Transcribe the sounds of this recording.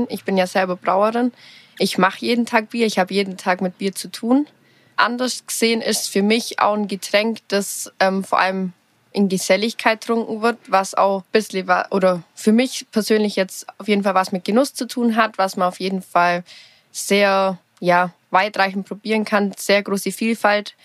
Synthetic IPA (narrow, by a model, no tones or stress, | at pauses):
nɪçb̥ɪnjaːz̥ɛlbɐbʁa̰ʊəʁɪnʔɪçmaχəjeːdn̩tʰaːk̚b̥iːɐɪçhaːbəjeːdn̩tʰaːkmɪt̚b̥iːɐt͡sutʰuːn | ʔa̰ndɐsɡ̥əz̥eːənɪstfyːɐmɪçʔa̰ʊxn̩ɡətʁ̥ɛŋkd̥asʔɛːmfoːɐʔa̰ləm | ʔɪnɡəz̥ɛlɪçkʰaɪt̚ʁ̥ʊŋkŋ̩vɪɐtvasa̰ʊxb̥ɪsləva̰ʔoːɾɐfyːɐmɪçpʰɛɐzøːnlɪçjɛt͡staʊfjeːdn̩falvasmɪt̚ɡ̥ənʊst͡sutʰuːnɦatv̥asmanaʊfjeːdn̩fal | z̥eːɐ | jaː | vaɪtʁ̥aɪçn̩t̚pʁ̥obiːʁ̞ənkʰanz̥eːɐɡʁoːsəfiːlfalt